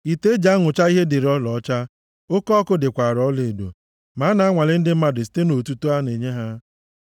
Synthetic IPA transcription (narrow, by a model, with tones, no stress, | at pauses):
i˨te˦d͡ʒa˦ŋʊ˨t͡ʃa˦i˦ɦe˦dɪ˨ɾɔ˦lɔ˨ɔ˦t͡ʃa˦ | o˦kɔ˦kʊ˦dɪ˨kʷa˨ɾɔ˦le˨do̰˨ | ma˨˦na˨a˦ŋʷa˨lɪ˦n̩˦dɪ˦m̩˦ma˦dʊ˨s̬i̥˦te˦no˨tu˦to˦a˦ne˨ɲe˦ɦa˦